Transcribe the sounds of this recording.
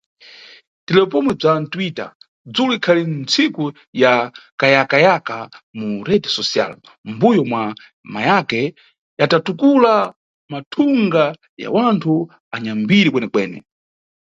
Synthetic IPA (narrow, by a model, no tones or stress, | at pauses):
tɛlɛɔpɔmwɛb͡ʐantwita̰ | d͡zuluikʰalint͡sʰiku | jakajakajakamuɾɛdsɔsia̰l | mbujɔmwa | majakɛ | jatatukula | matʰuŋɡa | ja̰wantʰu | aɲambiɾikwɛnɛkwɛːnɛ̰